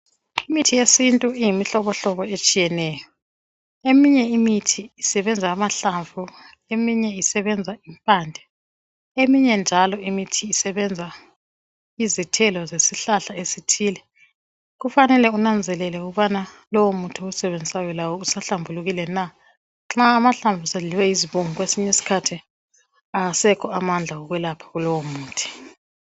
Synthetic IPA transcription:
imitʰijesintʼuijimiɬɔβɔɬɔβɔet͡ʃʼijɛnɛːjɔ | emiɲɛimitʰiːsɛβɛnd͡zʱaːmaɬaɱvu | emiɲɛisɛβɛnd͡zʱaimpʼaːnd͡ɮʱɛ | emiɲɛnd͡ʒʱalɔimitʰiːsɛβɛnd͡zʱa | izitʰɛlɔzesiɬaɬaesitʰiːlɛ | ɣufanɛlɛunand͡zʱɛlɛlɛuɣuβanalɔwomutʰiusɛβend͡zʱisajɔlawɔusaɬambʱuluɣilɛna | ŋ͡ǁaːmaɬaɱbvʱusaɮiwɛjiziβuŋuɣwesiɲɛsi̥kʰatʰi | aasɛkʰɔamand͡ɮʱaɣɔɣwɛlapʰḁɣulɔwomuːtʰi̥

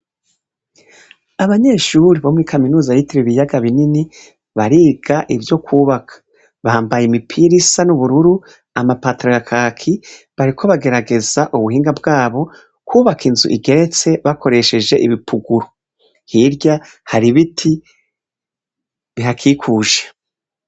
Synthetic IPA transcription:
aβaɲe̞ːʃuɾiβo̞muɾikʰaminuːzajitiɾiβijaɡaβinini | βaɾiːɡaʔivjo̞kʰuːβakʰḁ | βahaːmbajemipʰiɾisanuβuɾuɾu | amapatɾo̞jakʰaːkʰi | βaɾikʰo̞βaɡe̞ɾaɡe̞zaʔuβuɦiːŋɡabɡaːβo̞ | kuːβakʰinzṵʔḭɡe̞ɾe̞t͡se̞βakʰo̞ɾe̞ʃe̞d͡ʒe̞ʔiβipʰuɡuɾo | hiɾɟa | haɾiβitʰi | βiɦakʰiːkʰuːʒḁ

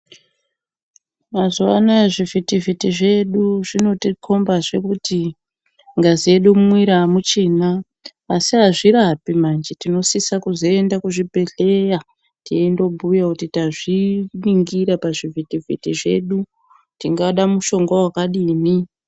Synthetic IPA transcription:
mazuwa̰naʐivitivitiʐe̞ɗuʐino̞tikʰo̞mbaʐe̞kuti | ŋɡazieɗumwiɾamut͡ʃenaː | siɦaʐiɾapimand͡ʒetino̞sisakuzo̞e̞ndakuʐibʱe̞ɮe̞ja | tiendo̞bʱujakutitaʐiniŋɡiɾapaʐivitivḭtiʐe̞̰ɗu | tiŋɡaɗamuʃo̞ŋɡwawakaɗiːni

